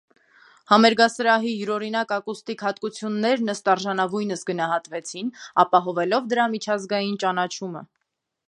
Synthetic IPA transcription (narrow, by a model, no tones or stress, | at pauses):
hɑmɛɾɡɑsəɾɑɦijuɾɔɾinɑkɑkust̪ikʰhɑt̪kut͡sʰjunːɛɾnəst̪ɑɾʒɑnɑvujnəsɡənɑɦɑt̪vɛt͡sʰinɑpɑɦɔvɛlɔvd̪əɾɑmit͡ʃʰɑzɡɑjint͡ʃɑnɑt͡ʃʰumə̰